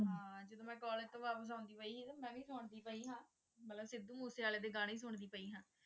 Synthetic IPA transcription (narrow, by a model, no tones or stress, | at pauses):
ɦãːd͡ʒəd̪õːmɛ̃ːkɔːlet̪õːʋaːpəs̬ãʊ̃nd̪iːpəiːɦːt̪aːmɛ̃ːʋiːsʊɳd̪iːpəiːɦãː | mət̪ləbsɪd̪ũːmuːseːaːleːd̪eːɡaːɳiːs̬ʊɳd̪iːpəiːɦãː